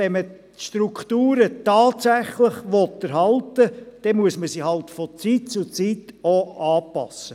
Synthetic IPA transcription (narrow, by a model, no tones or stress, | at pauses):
ɛnmə | ʃtɾukχtuːɾətɑːtsæχlɪχʋɔtːəɾhɑltəd̪̥ɛmuəsməsihɑlt̪fɔt͡siːtt͡sut͡sitoɑːpɑ̰sə